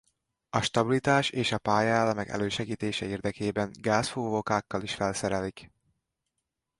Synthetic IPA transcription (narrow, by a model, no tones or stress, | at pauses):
ɒʃt̪ɒbilit̪aːʃeːʃɒpaːjaalːɒmɛkɛ̰løːʃɛɡiːt̪eːʃɛeːrd̪ɛkeːbɛŋɡaːsfoːvokaːkːɒliʃfɛlsɛɾɛlik